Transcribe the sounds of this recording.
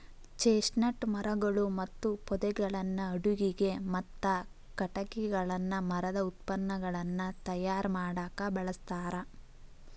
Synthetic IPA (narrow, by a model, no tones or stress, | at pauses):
t͡ʃeːsnɐʈmɐɾɐɡɐɭumɐt̪ːupɔd̪ɛɡɐɭɐnːɐːɽuɡiɡemɐt̪ːɐ | kɐʈɐɡiɡɐɭɐnːɐmɐɾɐd̪ɐut̪̚pɐnːɐɡɐɭɐnːɐt̪ɐjaːɾmaːɽaːkɐbɐɭɐst̪aːɾɐ